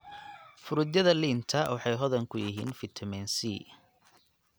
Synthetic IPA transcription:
fʊɾʊd̪jɐðɐliːnt̪ʰɐwɑħɑjɦɔðɐŋkʰʊjɪ̰ɦḭːnfɪt̪ʰɐmɛnsiː

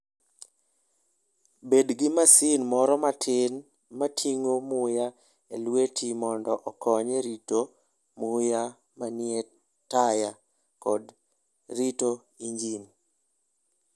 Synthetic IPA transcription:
bedɡɪmasɪnmɔɾɔmatʰɪn | matʰiŋomʊja | elwetʰimɔndɔʔɔkɔɲeɾito | mʊja | manɪe | taja | kɔd | ɾito | iɲd͡ʒin

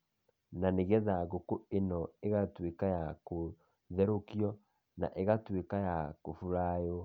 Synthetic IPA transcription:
naneɣɛðaɣokoenɔeɣatwekajako | ðɛɾokjɔ | na̰ʔeɣatwekajakofuɾajɔ

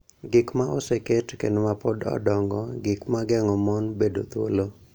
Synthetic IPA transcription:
ɡɪkmaʔoseketkenomapɔdɔ̰dɔŋɡɔɡɪkmaɡɛŋɔmɔnbedo̰t̪wo̰lo

